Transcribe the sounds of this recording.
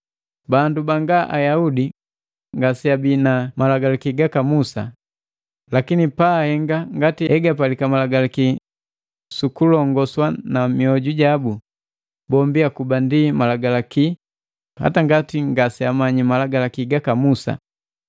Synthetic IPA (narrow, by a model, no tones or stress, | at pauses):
bandubaŋɡaʔajaudi | ŋɡasiabinamalaɡalakiɡakamusa̰ | lakinipahɛŋɡaŋɡatihɛɡapalikamalaɡalaki | sukulɔŋɡɔswanamiɔɟuɟabu | bɔmbiakubandimalaɡalaki | ha̰taŋɡatiŋɡasiamaɲimalaɡalakiɡakamusa̰